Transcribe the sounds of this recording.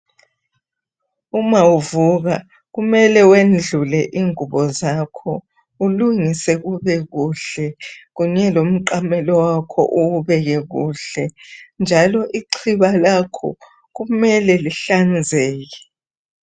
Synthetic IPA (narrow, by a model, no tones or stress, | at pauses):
umawuvuɣa | ɣumɛlɛwend͡ɮʱulɛʔiŋuβɔzakʰɔ | uluŋisɛɣuβɛɣuɬɛɣuɲɛlom̩ǃamɛlɔwakʰɔ̰ʔuuβɛɣɛɣṵːɬɛnd͡ʒʱalɔʔiǀʰiβalakʰɔ̰ | ɣumɛlɛliɬand͡zʱɛːɣɛ